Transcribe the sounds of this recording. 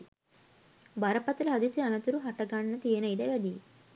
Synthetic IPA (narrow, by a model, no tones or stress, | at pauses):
bɐɾɐpɐt̪ɐlɐɦɐd̪isiɐnɐt̪uɾuɦɐʈːɐɡaːɳːɐt̪ijɐnɐjɖɐʋɐli